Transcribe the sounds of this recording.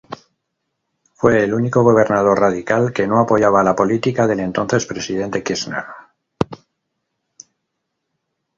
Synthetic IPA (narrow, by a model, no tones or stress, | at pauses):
fwe̞ːluniko̞ɣ̞o̞β̞e̞ɾnað̞o̞rrað̞ikalke̞no̞apo̞ʝaβaːlapo̞lit̪ikaðe̞le̞nt̪o̞nθe̞spɾe̞sið̞e̞nt̪e̞kisna̰ɾ